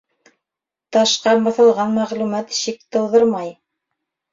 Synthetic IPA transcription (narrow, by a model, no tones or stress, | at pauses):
t̪ɑʃqɑbɑ̆θɤ̆lˠʁɑnmæʁlumɑt̪ʃik̚t̪ɤ̆wðɤɾmɑj